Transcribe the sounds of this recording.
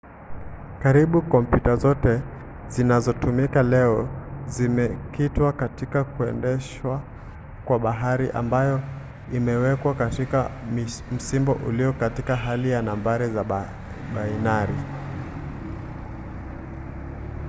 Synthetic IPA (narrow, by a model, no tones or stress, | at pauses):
kaɾiɓukɔmpjutazɔtɛ | zinazɔtumikalɛɔzimɛkitwakatikakuɛ̰ndɛʃwa | kwaɓaɦaɾiʔa̰mbajɔ | imɛwɛkwakatikam̩simbɔʔuliɔkatikaɦalijanambaɾiza | ɓainaɾi